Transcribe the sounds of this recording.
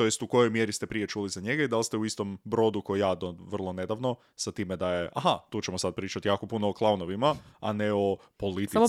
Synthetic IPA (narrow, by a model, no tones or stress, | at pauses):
t̪ojest̪uko̞jo̞jmje̞ɾist̪epɾije̞t͡ʃuːlizaɲe̞ɡaid̪alst̪euist̪o̞mbɾo̞d̪uko̞jijaːd̪oʋr̩lˠo̞ne̞d̪aʋno | sat̪iːmed̪aje̞ʔa̰ɦat̪uːt͡ɕemo̞sad̪̚pɾiːt͡ʃat̪ijaːko̞punooklˠaunoʋimaa̰neo̞polit̪